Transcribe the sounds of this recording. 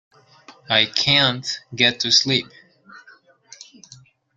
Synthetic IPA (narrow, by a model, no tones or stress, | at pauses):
aɪkʰæ̃ntɡɛtʰɨslip̚